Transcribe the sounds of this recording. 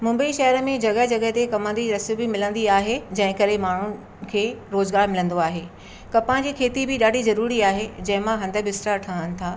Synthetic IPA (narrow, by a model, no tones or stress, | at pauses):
mʊ̃mbəiʃɐɦəɾəmẽd͡ʑɐɣəɦd͡ʑɐɠəɦt̪ekɐmə̃nd̪iɾɐsbɪmɪlə̃nd̪iaːɦed͡ʑɐ̃ɦɪ̃kɐɾemaːɳ̤ʊnɪ̆ | kʰeːɾoːzɡaːɾmɪlə̃nd̪oaːɦeː | kɐpãd͡ʑiːkʰeːt̪ibɪɗaːɖ̤ʱizɐɾuːɾiaːɦed͡ʑɐ̃ɦɪ̃mãɦɐ̃nd̪ʱə̆bʱɪsʈaʈʰaənɪ̆t̪ʰaː